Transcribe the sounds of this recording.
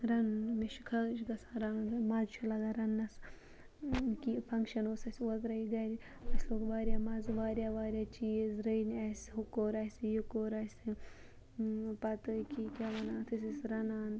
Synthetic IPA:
ɾɐnmiʃkʰɐʃɡɐsaɾaːnɡmazt͡ʃʰulɐɡɐɾɐnːɐs | kipʰɐŋkʃɐnoːsɐsʲot̪ɾɐiɡɐɾʲ | ɐsloːkʋaːɾʲjaːmɐzʋaːɾjaʋaːɾʲjat͡ʃiːezɾəjnɐsʲɦukoːɾɐsʲjukoːɾɐsʲ | pɐt̪ɨkikʲaʋɐnaːt̪ʰɨsisɾɐnaːn

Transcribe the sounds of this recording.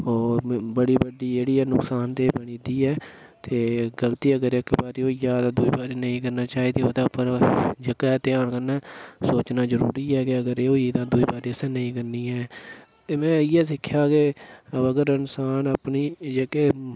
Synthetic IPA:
ɔːbəɽiːbəɖiːd͡ʒeːɽiːɛːnʊksaːnt̪eːbəɳiːd̪iːɛː | t̪eːɡəlt̪iːəɡəɾɪkbaːɾiːoːijaːt̪ãːd̪uːiːbaːɾeːnəĩkəɾnaːt͡ʃaːeːd̪iːoːt̪ãəpəɾd͡ʒəkɛt̪ɪaːɳkəɾnaːsoːt͡ʃnaːzəɾuːɾiːɛːkɪəɡəɾeːoːiːt̪ãːd̪uːiːbaːɾeːəsɛ̃ːnəĩkəɾniːɛː | t̪eːmɛ̃ːɪɛːs̬ɪkʰːjaːkeəbəɡəɾɪnsaːnəpniːd͡ʒeːkeː

